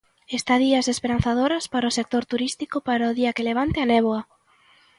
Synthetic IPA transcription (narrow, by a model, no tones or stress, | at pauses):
est̪aðiɐsespeɾanθað̞oɾɐspaɾɐʊsek̚t̪oɾt̪uɾist̪ikʊpaɾaʊðiɐkeleβ̞ant̪eanɛβoɐ